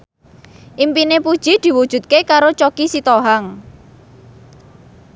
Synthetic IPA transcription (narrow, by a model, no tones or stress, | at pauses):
ʔimpinepud̥ʒ̥i̤d̪̥i̤wud̥ʒ̥ṳt̪̚kekaɾot͡ʃokisit̪oɦaŋ